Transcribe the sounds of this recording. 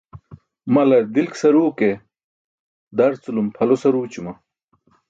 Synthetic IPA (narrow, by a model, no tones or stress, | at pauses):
mɐlɐɾd̪ilksɐɾuːke | d̪ɐɾt͡sulumpʰɐlosɐɾuːt͡ɕumɐ